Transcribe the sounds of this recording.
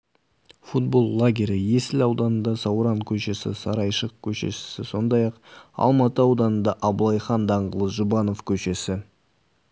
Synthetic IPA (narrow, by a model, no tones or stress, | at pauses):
fut̪̚bo̞lˠlːˠaɡʲeɾʲɪje̞sɪlɑwd̪ɑnənd̪ɑsɑwɾɑŋkʲʰɵʃe̞sɪ̰sɑɾɑjʃəq̚kʲʰɵʃe̞̰ʃɪ̥sɪso̞nd̪ɑjɑqɑ̰lˠmɑt̪əɑwd̪ɑnənd̪ɑʔɑblˠɑjχɑnd̪ɑɴʁəlˠəsʒʊbɑno̞fkʲʰɵʃe̞sɪ